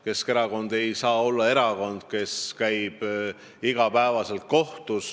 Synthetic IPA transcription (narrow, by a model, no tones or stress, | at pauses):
ke̞ske̞ɾɑko̞nd̪̥e̞jsɑːo̞lːɑe̞ɾɑko̞nd̪̥ke̞skæjb̥ | iɡ̥ɑpæevɑse̞lt̪̚ko̞ht̪us